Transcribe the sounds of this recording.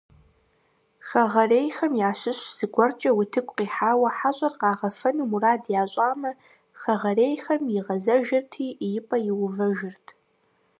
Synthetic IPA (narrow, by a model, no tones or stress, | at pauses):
xɐʁɐreːjxɐmjaːɕɪɕz̥ɨɡʷɔrt͡ʃʼɐwʊtʰɨkʷʼqiːħaːwɐħaɕʼɐrqɑːʁɐfɐnumuraːdjaːɕʷʼaːmɐ | xɐʁɐreːjxɐmjɪʁɐzɐʒɪrtʰiːjɪpʼɐjɪwʊvɐʒɪrtʰ